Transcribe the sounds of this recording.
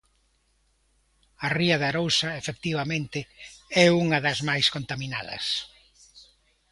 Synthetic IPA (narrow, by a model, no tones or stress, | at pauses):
ɐriɐðaɾowsɐefek̚t̪iβ̞ɐmẽnt̪ɪɛuŋɐðɐzmajskont̪amina̰ðɐ̰s